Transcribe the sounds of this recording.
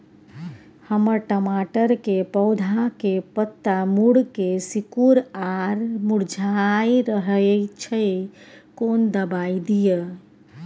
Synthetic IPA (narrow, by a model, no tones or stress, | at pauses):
həməɾʈəmaʈəɾkepəʊd̪ʱakepət̪ːamuɽkesikuɾaɾmuɽd͡ʒʱajɾəɦət͡ʃʰəjkond̪əbaid̪ijə